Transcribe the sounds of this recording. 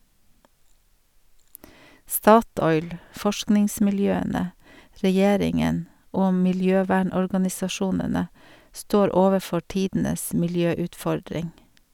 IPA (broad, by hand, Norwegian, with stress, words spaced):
ˈstɑˌtɔʏl ˈfɔʃknɪŋsmɪlˌjøːənə ɾɛˈjeːɾɪŋən ˈoː mɪlˈjøːˌʋæːɳɔɹɡɑnɪsɑˌʃuːnənə ˈstoːɾ ˈoːʋəˌfɔɾ ˈtiːdn̩əs mɪlˈjøːʉtˌfɔɾdɾɪŋ